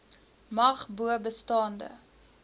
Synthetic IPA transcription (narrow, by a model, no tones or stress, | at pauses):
mɐχbuəbəstɑːndə̰